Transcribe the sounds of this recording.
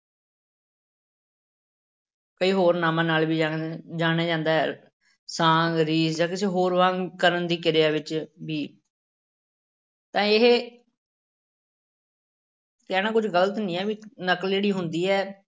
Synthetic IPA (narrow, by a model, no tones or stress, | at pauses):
kəiːɦoːɾnaːmãːnaːlbiːd͡ʒad͡ʒaːnaːd͡ʒãːnd̪aːɦɛ̰ː | sãːŋɡɾiːsd͡ʒaːkɪsẽːɦoːɾʋãːɡkəɾənd̪iːkɪɾɪjaːʋɪt͡ʃbiː | t̪ãːɪɦe | kɛːnãːkʊd͡ʒɡəlt̪nĩːɛːʋiːnəkəld͡ʒeːɽiːɦʊnd̪iːɛː